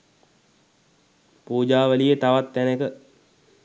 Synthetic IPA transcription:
puːd͡ʒaːʋəlijət̪aʋat̪ːænekə

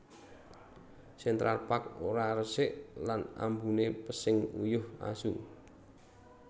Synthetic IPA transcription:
sɪnt̪ɾarpakoɾaɾəsɪʔlana̰mbunepəsɪŋṵjʊha̰su

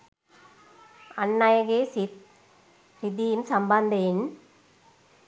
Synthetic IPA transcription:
ɐnːajɐɣesit̪̚ | ɾɪd̪imsɐmband̪en

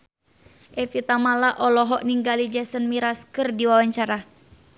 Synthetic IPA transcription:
ʔɛfit̪amalaʔɔlɔɦɔʔniŋɡalid͡ʒɛsənmiɾaskɨrdiwawaɲt͡ʃaɾa

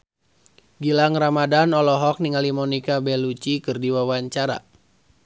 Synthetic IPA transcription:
ɡilaŋramadanɔlɔɦɔk̚niŋalimɔnikabɛlut͡ʃikɨrdiwawaɲt͡ʃaɾa̰

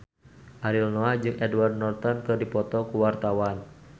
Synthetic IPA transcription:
ʔaɾilnoad͡ʒɨŋʔɛdwardnɔrt̪ɔnkɨrdipɔt̪ɔkuwart̪awan

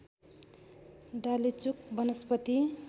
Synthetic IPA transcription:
ɖalit͡suk̚bʌnʌspʌt̪i

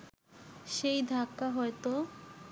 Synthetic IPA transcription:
ʃejd̪ʱakːaɦɔet̪o

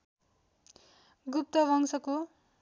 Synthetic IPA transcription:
ɡup̚t̪ʌbʱʌŋsʌko

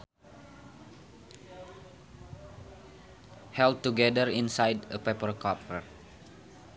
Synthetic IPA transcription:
hɛl̚tuɡɛdəɾĩnsajdəpɛpərkɔpər

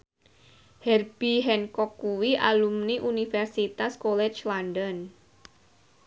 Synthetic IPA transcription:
hɛrb̥iɦɛnkɔkːuwiʔa̰lumniʔunifɛrsit̪askolɛt͡ʃlandɔn

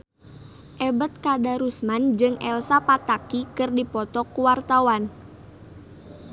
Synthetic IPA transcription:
ʔɛbət̪̚kadaɾusmand͡ʒɨŋɛlsapat̪akikɨrdipɔt̪ɔkuwart̪awan

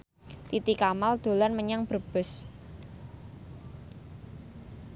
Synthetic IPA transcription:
t̪it̪ikamald̪̥o̤lanməɲaŋb̥ərb̥ʊ̤s

